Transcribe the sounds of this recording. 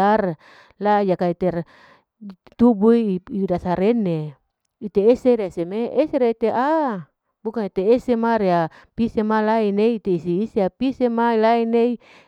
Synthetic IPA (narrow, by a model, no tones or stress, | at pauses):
ar | lajakait̪er | t̪ubuiiudasaɾene | it̪eːseɾesemeʔeseɾeait̪eʔa | bukanit̪eesemaɾea | pisemalaineiːt̪eisiːseapisemailainei